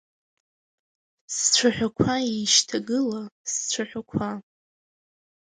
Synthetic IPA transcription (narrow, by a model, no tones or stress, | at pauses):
st͡ɕʷʰaħʷᶣakʷʰaiʃtʰaɡɨlast͡sʷʰaħʷᶣakʷʰa